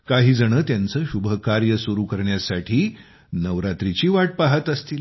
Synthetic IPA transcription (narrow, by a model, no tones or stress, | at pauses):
kaɦiːd͡zəɽ̃əːt̪jant͡səːɕubʱəkaɾjəsuɾuːkəɾɳjasaʈʰiː | nəʋɾat̪ɾit͡ɕiːʋaʈ̚paɦət̪əst̪iːl